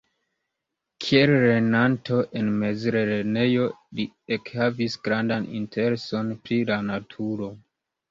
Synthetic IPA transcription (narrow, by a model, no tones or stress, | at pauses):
kʰielɾe̞nantʰo̞ʔenme̞zɾeɾene̞jo̞li | ekhavisɡɾandanḭntʰe̞ɾe̞so̞npɾilanatʰuɾo̞